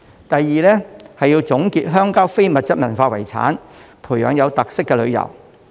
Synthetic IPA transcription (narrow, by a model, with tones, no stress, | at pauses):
t̪ɐ˨jːiː˨lɛː˥hɐ˨jːi˧wt͡sʊ˨˥ŋkiː˧t̚ɦœː˥ŋkaː˥wfe˥jmɐ˨t̚t͡sɐ˥t̚mɐ˨˩nfaː˧wɐ˨˩jt͡sʰa̰ː˨˥n | pʰuː˨˩jœː˨˧ŋjɐ˨˧wt̪ɐ˨k̚sɪ˥kːɛ˧lɵ˨˧ɥjɐ̰˨˩w